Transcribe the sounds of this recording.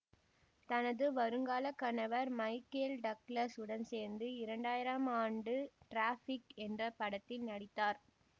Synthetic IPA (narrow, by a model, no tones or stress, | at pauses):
t̪ɐnɐðɯʋɐɾɯŋɡaːlɐkːɐnɐʋɐɾmɐɪkːelɖɐklɐsɯɽɐnseːɾnd̪ɯɪɾɐɳɖaːjɪɾɐmaːɳɖɯʈɾaːfɪkɛndrɐpɐɽɐt̪ːɪlnɐɽɪt̪ːaːɾ